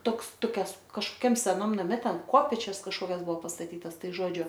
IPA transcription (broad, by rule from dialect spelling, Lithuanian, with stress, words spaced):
ˈtoːks toːˈkʲɛs kɐʃkoːˈkʲɛm sʲɛˈnɐm nɐˈmʲɛ ˈtʲɛn ˈkoːpʲeːt͡ʃʲɛs kɐʃˈkoːkʲɛs ˈbʊʋoː pɐstɐˈtʲiːtɐs ˈtɐɪ ˈʒoːd͡ʒʲʊ